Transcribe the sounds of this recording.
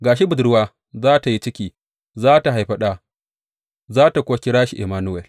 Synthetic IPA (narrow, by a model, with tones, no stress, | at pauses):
ɡaː˨ʃi˦bʊ˨dɽʊ˦waː˦ | zaː˦ta˨ji˦t͡ʃɪ˦kʲiː˨ | zaː˦ta˨ɦa˨jɸɐ˦ɗaː˦ | zaː˦ta˨kʷo˦kʲɪ˦ɽaː˦ʃi˨ʔḭ˨maː˦nu˦ɛ˨l